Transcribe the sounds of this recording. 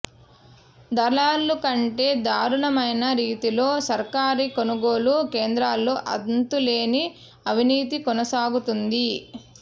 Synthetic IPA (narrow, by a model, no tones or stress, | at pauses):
d̪ɐɭaːlːukɐɳʈe̞ːd̪aːɾuɳɐmɐjnɐɾiːt̪ilo̞ːsɐɾkaːɾikonuɡo̞ːlukeːnd̪ɾaːlːoːʔɐ̰d̪nt̪ule̞ːni | ɐʋiniːt̪̬ikɔnɐsaːɡut̪und̪i